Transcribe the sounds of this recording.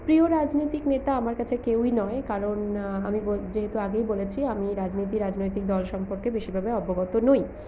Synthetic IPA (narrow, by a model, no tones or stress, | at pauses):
pɾioɾad͡ʑnojt̪iknet̪aamaɾkat͡ɕʰekewinɔekaɾonamibod͡ʑeɦet̪uaɡejbolet͡ɕʰiamiɾad͡ʑnojt̪iɾad͡ʑnojt̪ik̚d̪ɔlʃɔmpoɾkebeʃiɾbʱabeɔboɡɔt̪onoj